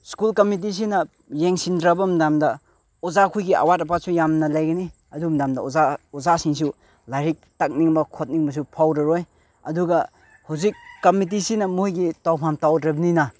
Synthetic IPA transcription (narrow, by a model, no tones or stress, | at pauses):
skulkɐmit̬is̬inɐ | jeŋsindɾabɐmdamdɐ | ozakʰujɡia̰wat̬ɐpat̚sujamnɐlajɡɐni | ɐdumdamdɐozaozasiŋs̬u | lajɾik̚tak̚niŋbɐkʰot̚niŋbɐs̬upʰawdɐɾoj | ɐduɡɐ | hawzikːɐmit̬isinɐmojɡitawpʰamtawdɾɐbɐninɐ